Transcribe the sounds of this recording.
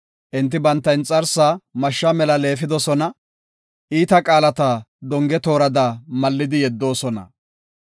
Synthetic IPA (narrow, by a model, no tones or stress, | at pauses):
ʔɪnt̪ːɪbɐnt̪ːɐjnt͡sʼɐɾsamɐʃːɐmɛlɐle̞ːfɪd̪ɔsɔnɐ | ʔiːt̪ɐkʼaːlɐt̪ɐd̪ɔŋɡɛt̪o̞ːɾɐd̪aːmɐlːɪd̪ɪjɛd̪ːo̞ːsɔnɐ̰